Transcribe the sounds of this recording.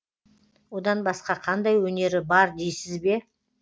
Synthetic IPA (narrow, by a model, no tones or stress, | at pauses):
wo̞d̪ɑnbɑsqɑqʰɑnd̪ɑjwɵne̞ɾɪbɑɾd̪ejsɪzbe̞